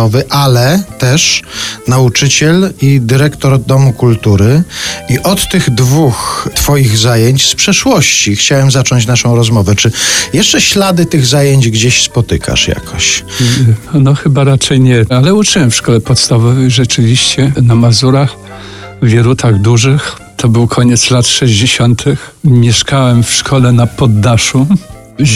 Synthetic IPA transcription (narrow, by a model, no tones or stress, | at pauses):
ɔvɘʔalɛt̪ɛʂnaut͡ʂɘt͡ɕɛlid̪ɘɾɛkt̪ɔɾd̪ɔmukult̪uɾɘiʔɔt̪ːɘɣd̪vuxt̪fɔjiɣzajeɲt͡ɕspʂɛʂwɔɕt͡ɕixt͡ɕawɛmzat͡ʂɔɲt͡ɕnaʂɔ̃w̃ɾɔzmɔvɛt͡ʂɘjɛʂt͡ʂɛɕlad̪ɘt̪ɘɣzajeɲd͡ʑɡd͡ʑeɕspɔt̪ɘkʰa̰ʂja̰kʰɔɕ | nɔxɘbaɾat͡ʂɛjɲɛalɛut͡ʂɘwɛmfʂkɔlɛpɔt̪st̪avɔvɛjʐɛt͡ʂɘvʲiɕt͡ɕɛnamazuɾax | vʲjɛɾut̪ʰaɣd̪uʐɘx | t̪ʰɔbɘwkʰɔɲɛt̪slat̪ʂɛʑd͡ʑeɕɔnt̪ʰɘxmʲjɛʂkawɛmfʂkʰɔlɛnapɔd̪ːaʂu